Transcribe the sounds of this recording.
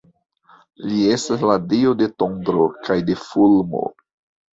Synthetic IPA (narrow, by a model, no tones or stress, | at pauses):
lie̞stasladiode̞tondɾo̞kajde̞fulmo̞̰